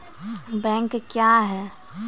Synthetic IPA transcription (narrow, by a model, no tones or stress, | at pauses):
bɛ̃ːŋkkjaɦɛː